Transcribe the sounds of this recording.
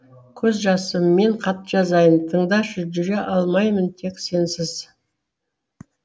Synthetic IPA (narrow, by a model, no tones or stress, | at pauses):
kʲʰɵzʒɑsəmːe̞ɴqʰɑt̪ʒ̥ɑzɑjənt̪ʰəɴd̪ɑʃəʒʏɾeʔɑlˠmɑjmənt̪ʰe̞kse̞nsɪz̥